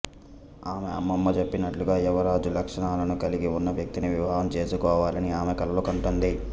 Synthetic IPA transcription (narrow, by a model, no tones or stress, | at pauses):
aːmḛɐ̰mːɐmːɐt͡ʃe̞pːinɐʈluɡaːɛʋɐɾaːd͡ʒulɐkʂɐɳaːlɐnukɐliɡiunːɐʋjɐk̚t̪iniʋiʋɐɦɐmt͡ʃe̞ːsukɔːʋaːlɐniaːmekɐlɐlukɐɳʈund̪i